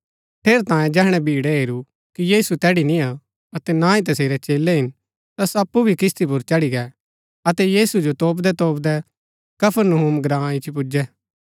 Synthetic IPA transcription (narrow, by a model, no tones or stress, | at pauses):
ʈʰeːɾt̪ãːjẽd͡ʒɛːɦɽ̃ɛbʱiːɽɛɦeːɾu | kijiːsut̪ɛːɽinĩa | ɐt̪ɛnãːĩt̪ɐseːɾɛt͡ʃeːlɛɦɪn | t̪ɐsɐpːubʱikɪst̪ʰip̬ʊɾt͡ʃɐɽiɡɛ | ɐt̪ɛjiːsud͡ʒot̪oːp̬d̪ɛt̪oːpd̪ɛ | kɐpʰəɾnɦumɡɾãːit͡ʃpʊd͡ʒɛː